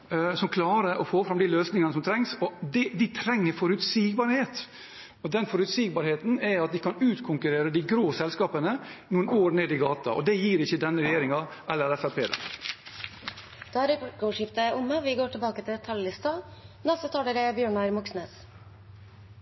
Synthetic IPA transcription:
sɔmkʰlɑːɾəʔɔfoːfɾɑmd̪ɪløːsnɪŋɑnəsɔmt̪ʰɾɛŋsɔd̪ɛd̪ɪt̪ʰɾɛŋːəɾfɔɾʉt̪siːɡbɑɾheːt̪ | ɔd̪ɛnfɔɾʉt̪siːɡ̚bɑɾheːt̪n̩ɛɑt̪̚d̪ɪkʰɑnʉːt̪kʰʊŋkʉɾeːɾəd̪ɪɡɾoːsɛlskɑːpənənuːənoːɾneːd̪ɪɡɑːt̪ɑ̰ʔɔ̰d̪ɛjiːɾɪçːəd̪ɛnːəɾɛjeːɾɪŋɑʔɛlːəɾɛfæpʰeːd̪ɛ̰n | d̪̥ɑɾɛpkɔʂɪft̪əʔʊməʋɪɡoːʈɪlbɑːkət̪ʰɪld̪ɛt̪ʰɑllɪst̪ɑnɛst̪ət̪ʰɑːɖəɾɛbjøːɳɑɾmʊksneːs

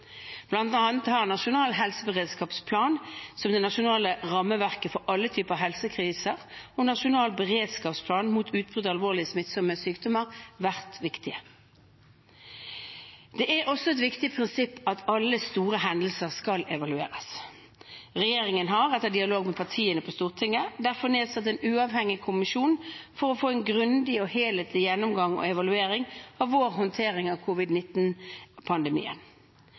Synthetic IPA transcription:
b̥lɑnt̪ɑnət̪hɑʁnɑʃʊnɑːlɦɛlsəbəʁeːd̪skɑːpspʰlɑːnsɔmd̪ɛnɑʃʊnɑːləʁɑmːəʋæʁkəfɔɾʔɑlːət̪ʰyːpəɑɦɛlsəkʰʁiːsəʁɔnɑʂʊnɑːlbəʁeːd̪skɑːpspʰlɑːnmuːt̪ʰʉːt̪̚bʁʉd̪ɑlʋoːʁlɪəsmɪt̪sɔməsyːkd̪ɔməʁʋæʁt̪ʋɪkt̪ɪə | d̪̥ɛʔæʁɔsːɔɛt̪ʋɪkt̪ɪpʰʁɪnsɪpːɑt̪ʰɑlːəst̪uːʁəɦɛnd̪l̩səʁskɑlɛʋɑlʉḛːʁəs | ʁɛjeːɾɪŋənɦɑʁɛt̪ːəd̪ɪɑloːɡmɛpʰɑʁt̪ʰiːənəpʰɔst̪uːʁt̪ʰɪŋːəd̪æʁfɔʁneːd̪sɑt̪ːɛnʉːɑːʋhɛŋːɪkʰʊmɪʃuːnfɔʁɔfoːɛnɡʁʉnd̪ɪɔheːlɛt̪lɪjɛnːʊmɡɑŋɔ̰ɛʋɑlʉeːɾɪŋɑʋʋoːʁɦɔnt̪ʰeːʁɪŋɑʋkʰʊʋɪd̪nɪt̪npʰɑnd̪ɛmḭːə̰n

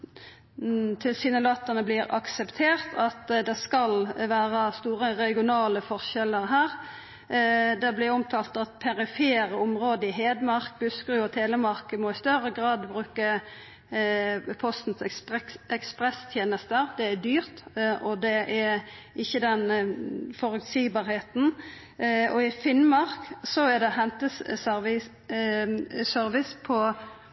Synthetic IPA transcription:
t̪ʰɪlsɪnəlɑːt̪ːənəblɪɾɑ̰ksɛpt̪ʰeːʁt̪ʰɑt̪d̪ɛskɑlʋæːɾɑst̪uːʁəʁɛɡɪʊnɑːləfɔʁʃɛləʁɦæːʁ | d̪ɛblɪɾɔmt̪ʰɑːlt̪ɑt̪̚pʰɛɾɪfeːɾəʊmʁoːd̪əɪɦeːd̪mɑʁkbʉskʁʉːɔt̪ʰeːləmɑʁkəmɔɪst̪œɾəɡʁɑːd̪bɾʉːkə | pʰɔst̪n̩sɛɛkspʁɛst̪ʰjeːnəst̪əɾd̪ɛæd̪yːʁt̪ʔɔd̪ɛʔæ | ɪçːəd̪ɛnfɔɾʉt̪siːɡbɑːɾheːt̪n | ɔɪfɪnmɑʁksɔæd̪ɛɦɛnt̪əsœʋɪ | sœɾʋɪspʰɔ

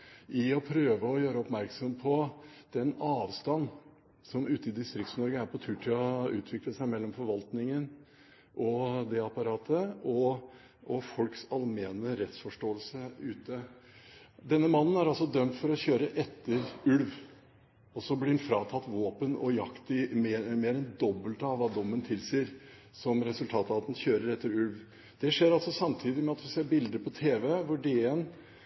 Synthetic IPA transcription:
ʔɪɔpʰɾøːʋəɔjøːɾəɔpmæɾksɔmpʰɔd̪̥ɛnɑːʋst̪ɑnː | sɔmʉːt̪əɪd̪ɪst̪ɾɪk̪̚snɔɾɡəæɾpɔt̪ʰʉːʈʰɪɔʉ̰ːt̪ʰʋɪkləsæɪmɛlːɔmfɔɾʋɑlt̪nɪŋən | ʔɔd̪ɛɑpɑɾɑːt̪ʰəɔ | ʔɔfɔlksɑlmeːnəɾɛt̪sfɔʂʈoːəlsəʉːt̪ə | d̪ɛnːəmɑnːn̩æɾɑlsɔd̪œmt̪fɔɾɔçøːɾəʔɛt̪ːəɾʉlʋ | ɔsɔblɪɛnfɾɑːt̪ʰɑt̪ːʋoːpənɔ̰jɑkt̪ɪmmeːɾɛnd̪ɔbːəlt̪ɑʋːɑːd̪ɔmːənt̪ʰɪlsiːəɾsɔmɾɛsʉlt̪ʰɑːt̪ɑʋɑt̪ɛnçøːɾəɾɛt̪ːəɾʉlʋ | d̪̥ɛʂeːɾɑlsɔsɑmt̪ʰiːd̪ɪmɛɑt̪ʋɪseːɾbɪld̪əpʰɔt̪ʰeːʋɛʋʊɖeən

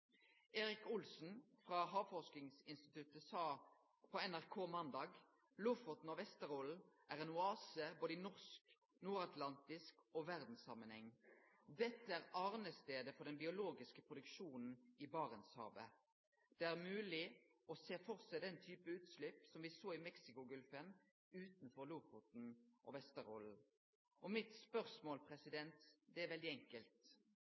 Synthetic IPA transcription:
eːɾɪkʊlsn̩fʁɑɦɑːʋfɔʂk̪ɪŋsɪnst̪ɪt̪ʉt̪əsɑː | pʰɔɛnæʁkʰoːmɑnd̪ɑːɡ | lufɔt̪n̩ɔʋɛst̪əʁoːlʔæːʁɛnʊɑːsəboːd̪əɪnɔʁsk | nuːɾɑt̪lɑnt̪ɪskoːʋæʁd̪n̩sɑmənhɛŋː | d̪ɛt̪ːəæːʁɑːʁnəst̪eːd̪əfɔd̪ɛnbɪʊloːɡɪskəpʰʁʊd̪ʉkʃuːnn̩ɪbɑːʁənshɑ̰ːʋə | d̪̥ɛæʁmʉːlɪɔseːfɔʁsɛɪd̪ɛnt̪ʰyːpəʉːt̪slɪpsɔmʋɪsoːɪmɛksɪkʊɡʉlfəm | ʉːt̪nfɔʁluːfʊt̪n̩ʔɔ̰ʋɛst̪əɾɔ̰l̩ | ʔɔmɪt̪spœʁsmoːlpʰʁɛsɪd̪ɛnt̪d̪ɛæʁʋɛld̪ɪɛŋkəlt̪

